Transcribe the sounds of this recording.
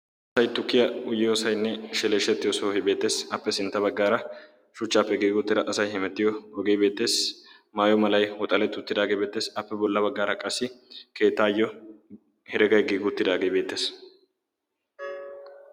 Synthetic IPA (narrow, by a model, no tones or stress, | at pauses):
ʔɐsɐjt̪ʊkːɪjɐʊjɪjoːsɐjnːɛʃɛleːʃːɛt̪ːɪjɔsohɪbe̞ːt̪ːe̞ːsɐpːɛsɪnt̪ːɐbɐɡːaːɾɐ | ʃʊt͡ʃːaːpːɛɡiːɡʊt̪ːɪd̪ɐʔɐsɐjhɛmɛt̪ːɪjɔɔɡejbe̞ːt̪ːe̞ːs | maːjɔmɐlɐjwɔt̪ʼɐlɛt̪ːʊt̪ːɪd̪aːɡebeːt̪ːe̞ːsɐpːɛbɔlːɐbɐɡːaːɾɐkʼɐsːɪke̞ːt̪ːaːjːɔ | hɛɾɛɡɐjɡiːɡʊt̪ːɪd̪aːɡejbe̞ːt̪ːe̞ːs